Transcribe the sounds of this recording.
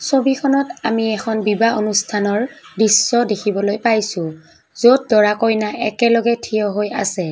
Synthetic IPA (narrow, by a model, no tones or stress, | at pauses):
sobikʰɔnɔtamiɛxʰɔnbibaonustʰanɔɹdisːɔdekʰibɔlojpajsʊ̃ | zot̚dɔɹakɔjnaʔɛkɛlɔɡɛtʰijɔɦoja̰sɛ